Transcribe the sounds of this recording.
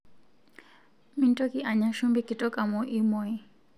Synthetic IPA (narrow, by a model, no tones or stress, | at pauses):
mintɔkiʔaɲaʃumbikitɔkamɔʔimɔi